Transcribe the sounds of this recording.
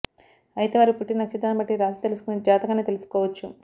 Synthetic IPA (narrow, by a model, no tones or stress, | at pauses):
ɐjit̪eʋaːɾipuʈːinɐkt͡ʃid̪aːnɐmbɐʈːiɾaːd͡ʒit̪elusu̥kunid͡ʒaːt̪ɐɡaːneːt̪elusu̥kɔːʋɐt͡ʃːu